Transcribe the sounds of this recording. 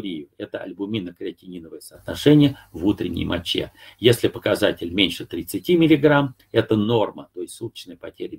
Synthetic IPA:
ɾʲijʊɛt̪əɐ̰lʲbʊmʲinəkɾʲɪɐtʲɪnʲinəvəjəsəːt̪nɐʂɛnʲɪjəvut̪ɾʲɪ̰nʲːɪ̰jmɐt͡ɕːḛjesʲlʲɪpəkɐzatʲɪlʲmʲenʲʂɨt̪ɾʲɪt̪sɨtʲimʲɪlʲɪɡram | ɛt̪əno̞rmət̪o̞jɪsʲtʲsut̪ə̥t͡ɕnəjəpɐtʲeɾʲɪ

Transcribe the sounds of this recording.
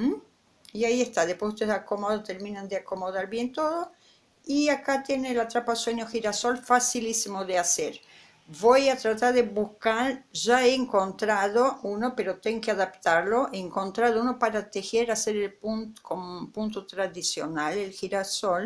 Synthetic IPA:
iaie̞st̪aðehpwesut̪eakomoðot̪eɾmĩnand̪eako̞moðaɾβje̞nt̪o̞ðo | iakat̪je̞nelat̪ɾapaðsweɲoxiɾaso̞lfasilisimoðeaseɾ | βojat̪ɾat̪aɾðeβuskaɾʒaeːŋko̞nt̪ɾaðo̞uno̞peɾo̞t̪eŋkeaðapt̪aɾlo̞ʔeːŋko̞nt̪ɾaðounopaɾat̪exeɾaseɾelpunkompunt̪ot̪ɾaðisjonalelxiɾasol

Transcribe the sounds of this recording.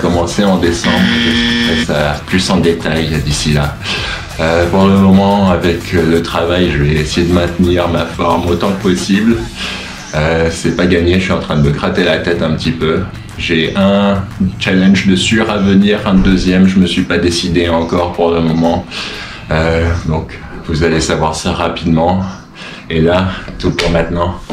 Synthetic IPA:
kɔmɑ̃seɑ̃d̪esɑ̰̃bʁʒəpɛsaplysɑ̃d̪et̪ajd̪isila | øpuʁləmɔmɑ̃avɛkʰlət̪χavajʒəvɛːsejed̪əmɛ̃t̪niʁmafɔʁmot̪ɑ̃kəpɔsibl | øsɛpaɡaɲeʃəsɥiɑ̃t̪χɛ̃d̪əməɡʁat̪elat̪ɛt̪ɛ̃pət̪ipø | ʒeʔɛ̃t͡ʃalɛ̃nʒd̪əsyʁavəniʁɛ̃d̪øzjɛmʒəməsɥipad̪esid̪eɑ̃kɔʁpuʁləmɔmɑ̃ | ød̪ɔ̃k | vuzalesavwaʁsaʁapid̪mɑ̃ | elat̪upuʁmɛ̃t̪nɑ̃

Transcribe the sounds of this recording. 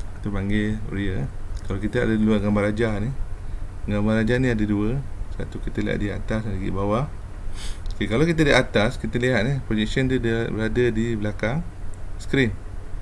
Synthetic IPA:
it̪upaŋɡeriəkalawkit̪əa̰dəluaɡambaɾad͡ʒani | ɡambarɾad͡ʒanĩadəduəsat̪ukit̪əliɦa̰t̪̚dia̰t̪asandəɡḭʔbawa | kekalawkit̪ədiʔat̪askit̪əliɦat̪̚nipɾod͡ʒɛk̚sənd̪udəbəɾadədibəlakaŋsə̥kɾim

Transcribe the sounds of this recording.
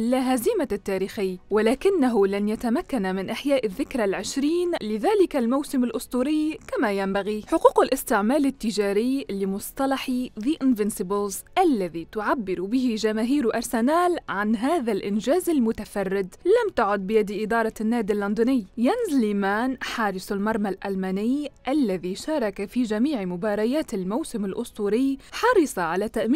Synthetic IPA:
ʔɪlaɦazimat̪ːaːɾiːxɪjːwalaːkɪnːaɦʊlanjat̪amakːanmɪnʔaħjaːʔɪðːɪkɾˤalʕɪʃɾiːnlɪðaːlɪkalmawsɪmɪlʔʊsˤt̪ˤuːɾɪjkamajambaɣiħʊquːqalʔɪst̪ɪʕmaːlɪt̪ːɪʒaːɾɪjlɪmʊsˤt̪ˤɑlɑħiðiːʔɪnvɪnsɪbɪlzʔalːaðit̪ʊʕabːɪɾbɪhɪʒamaːɦiːɾʔɑɾˤsanaːlʕanɦaːðalʔɪnʒaːzɪlmʊt̪afɑrːɪd̪lamt̪aʕʊd̪̚bɪjad̪ʔɪd̪ɑːɾˤɑnːaːd̪ɪlːʊnd̪ɪnɪjːjanzliːmaːnħɑːɾˤɪsˤalmɑɾˤmalʔalmaːnɪjʔalːaðiʃɑːɾˤɑkafid͡ʒamiːʕmʊbɑːɾˤɑjaːt̪ɪlmawsɪmɪlʔʊst̪uːɾɪjːħɑɾˤɨsˤɑʕalat̪aʔm

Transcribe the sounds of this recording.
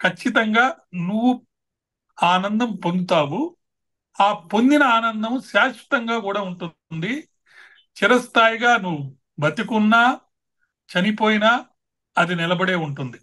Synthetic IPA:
kʰɐt͡ʃːit̪ɐŋɡaːnuʋːu | aːnɐnd̪ɐmpo̞nd̪ut̪aːwu | aːpo̞nd̪inɐaːnɐnd̪ɐmʃaːʃʋɐ̥t̪ɐŋɡaːkuːɽaːuɳʈu | nd̪i | t͡ʃiɾɐst̪ʰaːjiɡaːnuʋu | bɐt̪ikunːaː | t͡ʃɐnipo̞ːjina | ɐd̪inilɐbɐɽe̞ːuɳʈund̪i

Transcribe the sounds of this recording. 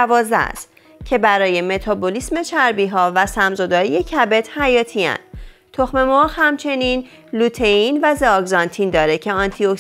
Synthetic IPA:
vɒːzd̪æ̰st̪ | cʰe̞bæɾɒːje̞me̞t̪ʰɒbolisme̞t͡ʃʰæɾbiɦɒːvæsæmzod̪ɒːɾije̞cʰæbe̞t̪hæjɒːt̪ʰiæ̰nd̪̥ | t̪ʰoxme̞mohhæmt͡ʃʰe̞niːn | lut̪ʰeinvæzeɒɡzɒnt̪ʰind̪ɒːɾecʰe̞ɒnt̪ʰiok

